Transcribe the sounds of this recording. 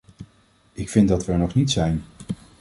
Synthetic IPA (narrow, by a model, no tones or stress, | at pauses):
ɪkfɪndɑtʋəɹnɔχnitsɛjn